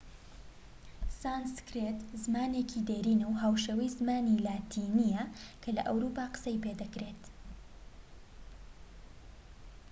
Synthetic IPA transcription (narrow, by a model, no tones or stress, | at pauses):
saːnskɾet̪zɨmaːneːkʰid̪eːɾiːnɐwɦaːwʃɐwijzmaːnilaːt̪ʰiːnijɐkʰɐlɐ̰ʔɐwɾupaːqɨ̥sɐjped̪ɐkɾeːt̪